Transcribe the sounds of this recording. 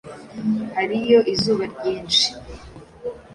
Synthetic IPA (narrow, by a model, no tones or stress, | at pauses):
haɾijo̞ʔizuːβaɾɟiːnʃi̥